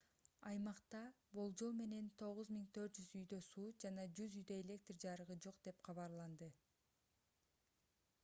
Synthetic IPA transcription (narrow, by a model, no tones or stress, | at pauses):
ɑjmɑqt̪ɑ | bolˠd͡ʒolˠme̞ne̞nt̪ʰo̞ʁuzmiŋt̪ʰø̞ɾt̪̚d͡ʒyzyjd̪ø̞suːd͡ʒɑnɑd͡ʒyzyjd̪ø̞elʲe̞k̚t̪rd͡ʒɑɾɯʁɯd͡ʒo̞qd̪e̞pqʰɑβɑɾlˠɑnd̪ɯ